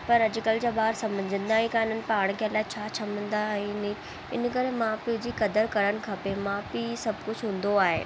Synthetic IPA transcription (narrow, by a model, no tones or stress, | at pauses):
pɐɾɐd͡ʑʊkəld͡ʑaːɓaːɾsɐ̃mə̃ɲd͡ʑə̃nd̪aːɦĩkaːɪnənɪ̆paːɽ̃kʰeəlaːɦɪt͡ɕʰaːt͡ɕʰɐmə̃nd̪aɛ̃nɪ | ɪnkɐɾemãːpid͡ʑiːkɐd̪əɾkɐɾəñɪ̆kʰapemãːpisɐbkʊd͡ʑʱɦũːn̆d̪oaːɦḛː